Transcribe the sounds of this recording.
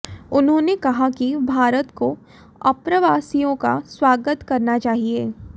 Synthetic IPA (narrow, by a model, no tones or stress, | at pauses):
ʊnɦõːnekɐɦakibʱaːɾət̪ko | ɐpɾəʋaːsijõka̰swaːɡət̪kɐɾnat͡ʃaːɦieː